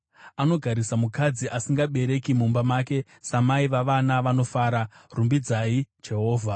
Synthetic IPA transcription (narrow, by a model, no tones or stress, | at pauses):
ano̞ɡʱaɾisamukad͡ziʔasiŋɡaɓe̞ɾe̞kimumbamaːke̞ | samaiʋaʋanaʋano̞faːɾarumbid͡zaid͡ʒe̞ɦo̞ːvʱa